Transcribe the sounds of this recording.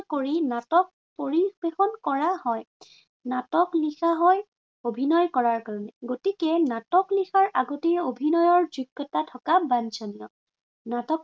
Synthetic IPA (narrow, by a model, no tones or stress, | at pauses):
koɹinatɔk̚ | poɹibexɔnkɔɹahɔj | natɔklixaɦɔj | obʱinɔjkɔɹaɹkaɹɔnɛɡotikɛnatɔklixaɹaɡotiɹobʱinɔjɔɹzuɡːɔtatʰɔkabant͡ʃɔnijɔ | natɔk